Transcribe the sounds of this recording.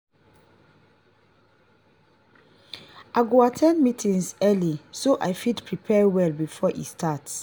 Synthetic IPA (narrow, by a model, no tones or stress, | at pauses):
ʔaɡoatʰɛ̃nmitʰĩŋsɛlisoʔajfidpʰɹipʰɛwɛlbifɔʔḭstʰats